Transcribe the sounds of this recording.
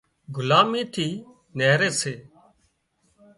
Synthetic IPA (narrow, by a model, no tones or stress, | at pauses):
ɡʱʊlaːmiːt̪ʰiː | neɦɾeːseː